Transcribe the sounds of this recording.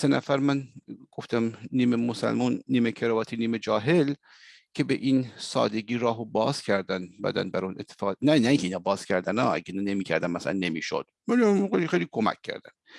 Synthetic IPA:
senæ̰fæɾmænɡ̥oft̪æmniːmemosæ̰lmunːiːmekʰeɾɑːvɒːt̪ʰiniːmed͡ʒɒːɦe̞l | cʰe̞beʔiːnsɒ̰ːd̪e̞ɡiːɾɒːɦobɒːz̥cʰæɾd̪ænbæ̰d̪æ̰nbæɾunʔet̪ʰːefɒːnænæiːŋcʰeiːnɑːbɒːz̥cʰæɾd̪ænɒːæ̰ɟeinɑne̞miːcʰæɾd̪æmæsæ̰læ̰nːe̞miːʃo̰d̪̥̚mænmejlixejlikʰomæ̰kʲʰːæ̰ɾd̪æm

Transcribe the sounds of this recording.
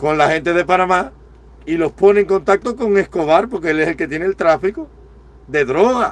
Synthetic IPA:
kõ̞nlahe̞nt̪e̞ð̞e̞panãma | ilo̞hpo̞nẽːŋko̞nt̪ak̚t̪oko̞ŋe̞hko̞βaɾpo̞ɾkeeleselke̞t̪je̞nelt̪ɾafiko | ðe̞ðɾo̞ɣa

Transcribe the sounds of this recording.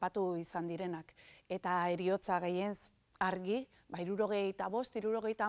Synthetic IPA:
pat̪uisand̪iɾe̞nake̞t̪ae̞ɾio̞t͡saɣe̞je̞ns | aɾɣi | baiɾuɾo̞ɣ̞e̞jt̪aβ̞o̞st̪iɾuɾo̞ɣ̞e̞jt̪a

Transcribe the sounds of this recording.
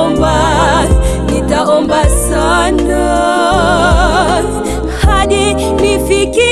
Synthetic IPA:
mba | nitaɔmbasan | a | haɗi | nifiki

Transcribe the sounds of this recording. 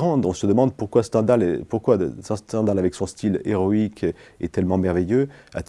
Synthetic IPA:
ʁɑ̃d̪ɔ̃səd̪əmɑ̃d̪puʁkwasə̥t̪ɑ̃d̪alpuʁkwasɛ̃st̪ɑ̃d̪alavɛksɔ̃st̪ʰilḛʁɔikʰɛ̰t̪ɛlmɑ̃mɛʁvejøa̰t̪

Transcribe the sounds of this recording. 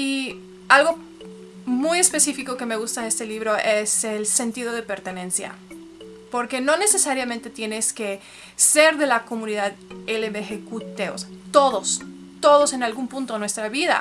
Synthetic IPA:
i | alɣo̞ | muje̞spe̞sifiko̞ke̞me̞ɣust̪aest̪e̞liβɾo̞ʔe̞selse̞nt̪iðo̞ð̞e̞pe̞ɾt̪e̞nẽ̞nsja̰ | po̞ɾke̞no̞ne̞sesaɾjamẽ̞nt̪e̞t̪je̞ne̞ske̞ | se̞ɾðe̞lako̞mũniðaðeleβexekut̪eo̰st̪o̞ðo̞s | t̪o̞ðo̞se̞nalɣumpũnt̪o̞nwe̞st̪ɾaβiða̰

